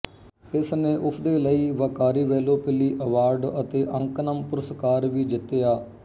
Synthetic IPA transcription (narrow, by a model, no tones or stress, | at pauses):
ɪsnẽːʔʊsʰd̪eːləiːʋaːkaːɾiːʋɛːloːpɪliːʔəʋaːɾɖət̪eːʔəŋknəmpʊɾəskaːɾʋiːd͡ʒɪt̪ːeːjaː